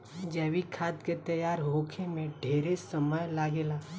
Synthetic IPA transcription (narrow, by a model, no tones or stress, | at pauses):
d͡ʒɛːʋikʰaːt̪ket̪ɐjaːɾɦoːkʰemẽɖʱeːɾesɐməjlaːɡeːlaː